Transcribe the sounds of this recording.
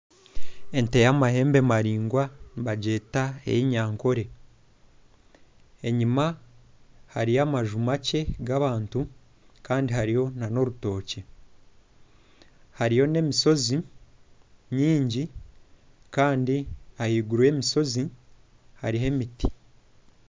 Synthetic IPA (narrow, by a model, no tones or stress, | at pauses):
e̞nte̞jamahe̞ːmbe̞maɾiːŋɡwaniβaɟe̞ːtaḛjiɲaːŋko̞ɾe̞ | eɲima | haɾijamaʒumace̞ɡaβaːntu | kaːndiɦaɾijo̞nano̞ɾuto̞ːce | haɾijo̞ne̞miso̞zi | ɲiːɲɟi | kaːndiahiːɡuɾwe̞ːmiso̞zi | haɾiɦe̞miti̥